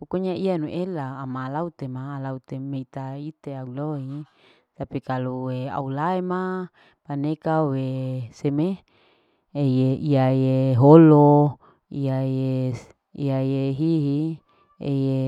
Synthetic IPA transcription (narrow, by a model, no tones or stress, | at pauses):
ukuɲaianuʔelaːmalaut̪emaːlaut̪emeit̪ait̪eauloi | t̪apikaluwea̰ulaema | panekaweseme | ejeiajeɦolo | iaje | ḭajeɦiɦi | ḛje